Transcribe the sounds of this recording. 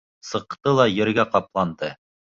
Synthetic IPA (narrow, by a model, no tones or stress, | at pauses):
sɤ̆qt̪ɤlˠɑjɘ̆ɾɡæqɑplˠɑnd̪ɤ